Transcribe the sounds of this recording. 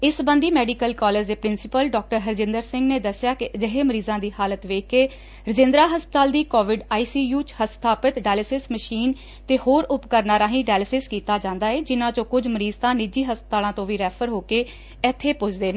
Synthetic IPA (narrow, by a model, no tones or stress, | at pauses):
ɪsbə̃nd̪iːmɛːɖiːkəlkɔːləɾd͡ʒd̪eːpɾɪnsɪpəlɖɔːk̚ʈəɾɦəɾd͡ʒɪ̃nd̪əɾsɪ̃ŋɡneːd̪əsɪjaːkɪd͡ʒəɦeːməɾiːzãːd̪iːhaːlət̪ʋeːkːeː | ɾəd͡ʒɪ̃nd̪ɾaːɦəspət̪aːld̪iːkoːʋɪɖaːiːsiːjuːt͡ʃhəst̪ʰaːpət̪ɖaːləsɪsməʃiːn | t̪eːhoːɾʊpkəɾnaːɾaːɦĩːɖaːləsɪskiːt̪aːd͡ʒãːnd̪aːeːd͡ʒɪnãːt͡ʃõːkʊd͡ʒməɾiːzt̪ãːnɪd͡ʒiːɦəspət̪aːlãːt̪õːʋiːɾɛːpʰəɾɦoːkeː | ɛt̪ʰːeːpʊt͡ʃʰd̪eːn